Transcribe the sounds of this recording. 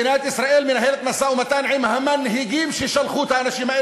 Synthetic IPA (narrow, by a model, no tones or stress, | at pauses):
ɪnaːjt̪ʔɪsɾˤaːʔiːlmɪnɦeːlɪt̪masaːʔwmat̪aːnʕiːmhamːanːɦiɡiːmʃiʃalxuːt̪aʔanaʃimaːʔɪ